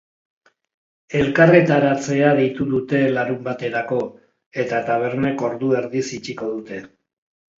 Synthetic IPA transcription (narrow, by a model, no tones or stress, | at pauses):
e̞lkare̞t̪aɾat͡se̞aðit̪uðut̪e̞laɾumbat̪e̞ɾako̞ | e̞t̪at̪aβ̞e̞ɾne̞ko̞ɾðue̞ɾðisit͡ʃiko̞ð̞ut̪e̞